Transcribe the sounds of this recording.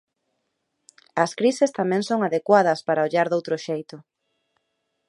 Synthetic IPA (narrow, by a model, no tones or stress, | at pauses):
ɐskɾisest̪amɛ̃ŋsoŋaðekwaðɐspaɾaoʎaɾðowt̪ɾʊʃejt̪ʊ